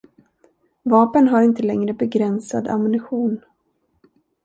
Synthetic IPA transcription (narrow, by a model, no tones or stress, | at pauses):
vɑːpənɦaɾɪnt̪əlɛŋɾəbɛɡɾɛnsa̰d̪a̰mʊnɪɧuːn